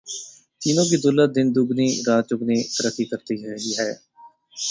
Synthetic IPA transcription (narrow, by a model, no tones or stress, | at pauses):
t̪iːnõːkiːd̪ʊləd̪ɪnd̪ʊɡniːɾaːt͡ʃʊɡniːsəɾət̪iːkəɾt̪iːɛːɡiːɦɛː